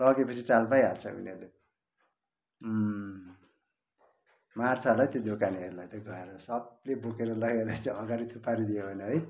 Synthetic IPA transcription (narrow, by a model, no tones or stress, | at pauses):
lʌɡepʌt͡sʰit͡salpajart͡sʰʌṵnʌɾle | mart͡sʰalajt̪jod̪okaniɦʌɾulajt̪oɡʌeɾʌsʌblebokeɾʌlʌɡelajt͡sʌ̃ʌɡaɾit̪ʰupaɾid̪ijobʱʌneɦʌj